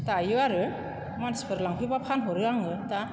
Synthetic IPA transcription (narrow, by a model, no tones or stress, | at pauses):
tajɯaɾɯ | manspʰɯɾlaŋpʰibapʰanɦɔɾɯaŋɯta